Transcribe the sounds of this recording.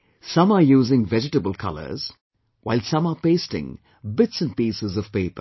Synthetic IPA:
sʌ̃məjuːzɪ̃ŋvɛd͡ʒɨʈəbəlˠkʰʌ̰lə̰˞z̥ | wʔaɪlsʌ̃məpeɪstɪ̰̃ŋ | bɪtsə̃npiːsəzʌv̥peɪpə̰

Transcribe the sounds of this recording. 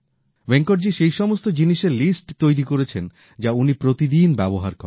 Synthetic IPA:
beŋkoɾd͡ʑiʃejʃɔmost̪od͡ʑiniʃeɾlisʈt̪ojɾikoɾet͡ɕʰen | d͡ʑaunipɾot̪id̪inbɛboɦa̰ɾkɔɾ

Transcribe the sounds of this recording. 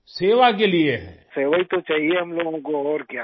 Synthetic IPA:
seːʋak̬elieɦɛ̰ːseːʋait̪ot͡ʃaːɦieɦɐmloːɡõkoɔːɾkja

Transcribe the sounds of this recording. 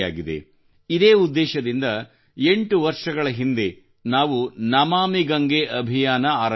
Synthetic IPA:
aːɡid̪ḛ | id̪eːud̪ːɛːʃɐd̪ind̪ɐ | eɳʈuʋɐɾʂɐɡɐɭɐɦind̪e̞ | naːʋunɐmaːmiɡɐŋɡeʔɐbʱijaːnɐaːɾɐ

